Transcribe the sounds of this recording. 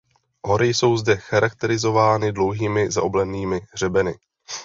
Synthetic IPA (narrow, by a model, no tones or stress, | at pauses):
ɦo̞ɾɪjso̞wzdɛxaɾak̚t̪ɛɾɪzo̞vaːnɪdlo̞wɦiːmɪza̰ʔoblɛniːmɪr̝ɛbɛnɪ